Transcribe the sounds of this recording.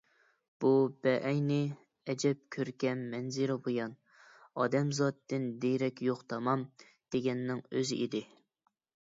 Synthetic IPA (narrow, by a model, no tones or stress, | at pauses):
b̥ub̥ɛʔɛjnɪ | ɛd͡ʒɛp̚kʲʰøɾɡʲɛnːɛnzɪɾɪbojɑn | ɑ̰ːd̪ɛmzɑt̪ːɪnd̪ejɾɛkʲjoχt̪ʰɑmɑm | d̪̥eɡʲɛnːɪŋøzɪʔid̪ɪ